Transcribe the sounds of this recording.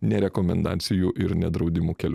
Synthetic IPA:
nʲɛɾʲɛkɔmʲɛ̰nd̪ɑ̰ːt̪sʲɪjuːʔɪɾnʲɛd̪ɾɒʊd̪ʲɪmuːkʲɛlʲ

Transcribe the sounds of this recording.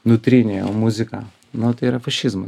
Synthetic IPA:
nʊt̪ʲɾʲɪnʲeo̰mʊzʲɪkɑ̰ː | nʊt̪ɐɪiɾɐfɐʃʲɪzmɐ

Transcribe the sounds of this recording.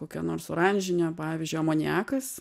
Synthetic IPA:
koːkʲɛnoːrɾsʊɾɐnʲʒʲɪnʲoːpɑːʋʲizʲd͡ʒʲʊɪɐmoːnʲæːkɐs

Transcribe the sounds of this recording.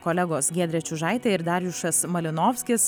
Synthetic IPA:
koːlʲɛɡoːsɡʲeːd̪ʲɾʲɛt͡ʃʲʊʒɑˑɪt̪ʲeɪɾd̪ɐɾʲjʊʃɐsmɐlʲɪnoːfʲsʲkʲɪs

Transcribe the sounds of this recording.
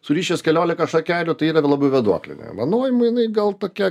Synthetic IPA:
sʊɾʲiːʃʲɛskʲɛlʲoːlʲɪkɐʃɐkʲæːlʲʊt̪ɐɪiːɾɐʋʲlˠɑːbʲɐʊʋʲɛd̪uɔkʲlʲɪ̰nʲɛ̰mɐnoːjɪmʊjɪnɐɪɡɐlˠt̪oːkʲɛ

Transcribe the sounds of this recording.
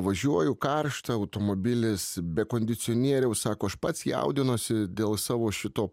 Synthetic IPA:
ʋɐʒʲuɔjʊkɐrʃt̪ɐɐʊt̪oːmobʲɪlʲɪsbʲɛkoːnʲd̪ʲɪt̪sʲɪoːnʲiɛɾʲɛʊsɑːkoːɐʃpɐt̪sjɛ̰ʊd̪ʲɪnosʲɪd̪ʲeːlˠsɑːʋoːʃʲɪt̪oː

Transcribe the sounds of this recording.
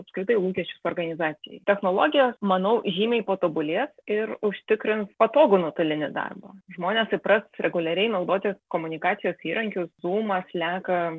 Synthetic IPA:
ɐpskɾʲɪt̪ɐɪlˠuːkʲɛʃʲt͡ʃʲʊsoːrɡɐnʲɪzɑːt̪sʲɪjɛ̰ɪt̪ʲɛxnoːlˠoːɡʲɪjoːsmɐnɐʊʒʲiːmʲɛɪpoːt̪obʊlʲiːsɪɾʊʃʲt̪ʲɪkɾʲɪnspɐt̪oːɡʊnʊt̪ʊlʲɪnʲɪd̪ɑ̰rbɐ̰ːʒmoːnʲɛsɪpɾɐsɾʲɛɡʊlʲɛɾʲɛɪnɐʊd̪oːt̪ʲɪkoːmʊnʲɪkɑːt̪sʲɪjoːsiːɾʔɐŋʲkʲʊszuːmɐslʲæːkɐ

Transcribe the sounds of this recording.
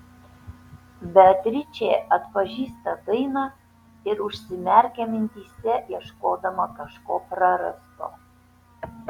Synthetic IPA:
bʲɛt̪ʲɾʲɪt͡ʃʲeːɐt̪pɐʒʲiːst̪ɐd̪ɐɪnɑː | ɪɾʊʃʲsʲɪmʲɛɾʲkʲɛmʲɪnʲt̪ʲiːsʲɛjiɛʃkoːd̪ɐmɐkɐʃkoːpɾɐɾɐ̰st̪o̰ː

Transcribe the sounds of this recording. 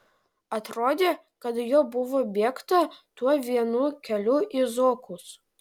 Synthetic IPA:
ɐt̪ɾoːd̪ʲeː | kɐt̪joːbʊʋoːbʲiɛkt̪ɐt̪uɔʋʲiɛnuːkʲɛlʲuʔizoːkus

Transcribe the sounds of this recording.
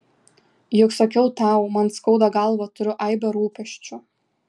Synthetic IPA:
jʊksokʲɛʊt̪ɑːˑʊmɐnskɐʊd̪ɐɡɐlˠʋɐt̪ʊɾʲʊʔɐɪbʲɛɾuːpʲɛʃʲt͡ʃʲʊ

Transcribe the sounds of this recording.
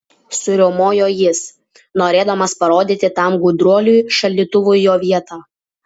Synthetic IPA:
sʊɾʲomoːjoːjɪs | noːɾʲeːd̪ɐmɐspɐɾoːd̪ʲiːt̪ʲɪt̪ɐˑmɡʊd̪ɾuɔlʲujʃɐlʲd̪ʲiːt̪ʊʋʊjoːʋʲiɛt̪aː

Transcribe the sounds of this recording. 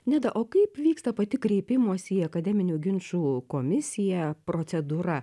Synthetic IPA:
nʲɛd̪ɐʔoːkɐɪpʋʲiːkst̪ɐpɐt̪ʲɪkɾʲɛɪpʲɪmoːsʲiːɐkɐd̪ʲɛmʲɪnʲuːɡʲɪnʃuːkoːmʲɪsʲɪjɛpɾoːt̪sʲɛd̪uːɾɐ

